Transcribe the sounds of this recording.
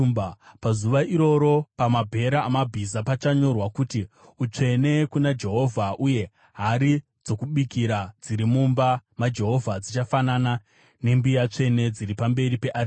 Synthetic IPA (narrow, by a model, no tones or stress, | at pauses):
bpazuʋaʔiɾo̞ɾo̞pamabʱe̞ɾaːmabʱizapat͡ʃaɲo̞rwakuti | ut͡ʂe̞ne̞kunad͡ʒe̞ɦo̞vʱaʔuje̞ | ɦaɾi | d͡zo̞kuɓikiɾad͡ziɾimumbamad͡ʒe̞ɦo̞vʱad͡zit͡ʃafanana | ne̞mbijat͡ʂe̞ne̞d͡ziɾipambe̞ɾipe̞ʔari